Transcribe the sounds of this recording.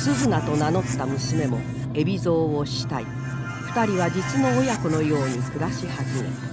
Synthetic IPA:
sɨzɨnat̪o̞nano̞t̪ːamɯ̟sime̞mo̞ | e̞bʲizo̞ːoɕi̥t̪ai | ɸɯ̥t̪aɾʲiβ̞ad͡ʑit͡sɨno̞ːjakono̞jo̞ːɲ̟ikɯ̟ɾaɕihazɨe

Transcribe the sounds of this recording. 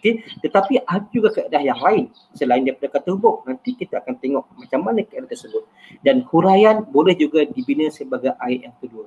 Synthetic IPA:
oket̪ət̪apiʔadad͡ʒuɡakəedahjaŋlaɪn | səlaɪndaɾipadakat̪ɔrbʊk̚nant̪ikit̪aːkant̪eŋɔʔmãt͡ʃamːanãkəedaht̪ərsəbʊt̪̚ | danhuɾajanbolɛhd͡ʒuɡadibinəsəbaɡajʔaɪʔjaŋk̪ədua

